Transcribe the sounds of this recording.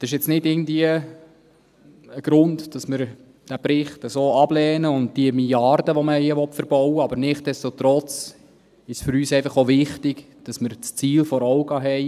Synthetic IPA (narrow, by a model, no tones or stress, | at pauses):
sɪʃ̬ɪt͡snɪdɪɡən̩dviə | əɡ̥ɾʊndd̥ɑsmɪɾ | d̥æpɾɪχtəsoːɑb̥lɛːnəʊnd̚d̥iəmiljɑrdəʋɔməiəʋɔtfəɾb̥ɔwəɑbəɾnɪχt̚d̥ɛstot̪ɾɔt͡s | ɪʃsfʏɾyːsɛɪfɑχovɪχtɪɡ | d̥ɑsmɪɾt͡st͡siːlfɔɾɔwɡɑɦɛɪ